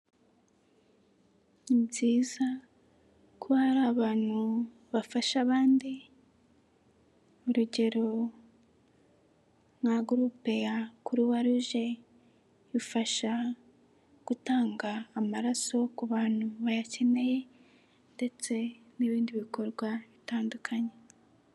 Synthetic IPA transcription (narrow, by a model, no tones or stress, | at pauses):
ibɟiːza | kʰohaɾaːβaːn̥hu | βafaʃaβaːndi | uɾuɟe̞ɾo̞ | mŋaɡuɾuːpe̞jakuɾuwaɾuʒe̞ | ifaʃa | ɡ̥utaːŋɡaːmaɾaso̞kuβaːn̥huβajace̞ne̞je̞ | nde̞t͡se̞ | niβiːndiβikʰo̞ɾɡwaβitaːndukʰaɲe̞